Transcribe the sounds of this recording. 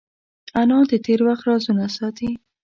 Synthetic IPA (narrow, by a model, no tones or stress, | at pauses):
anɑd̪ət̪ʰeɾwaxt̪ɾɑzunasɑt̪i